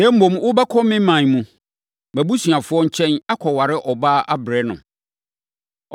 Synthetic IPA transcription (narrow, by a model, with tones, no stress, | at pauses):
nɛ˦m̩˦õ˨m˦wʊ˦bɛ˦kʰɔ˦mɪ̃˦mã˨n˨mũ˨ | mæ˨bu˦sɥa˨fʊ˦ɔ˦ɲ̩˦t͡ɕʰɛ̃˦na˦kʰɔ˨wa˨ɾɪ˦ʔɔ˨baː˦ʔa˦bɾɛ˦nʊ̰̃˨